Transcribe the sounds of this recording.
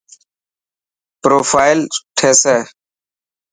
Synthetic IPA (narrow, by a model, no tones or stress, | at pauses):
pɾoːfaːɪlʈʰeːseː